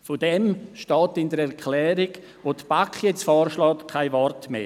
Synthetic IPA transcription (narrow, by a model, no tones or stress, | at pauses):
fodɛmʃtɔːtɪndəɾɛɾkʰlɛːɾiɡ | ʋoːtb̥akχjɛt͡sfɔːrʃlɔːtkʰaɪvɔrtmḛː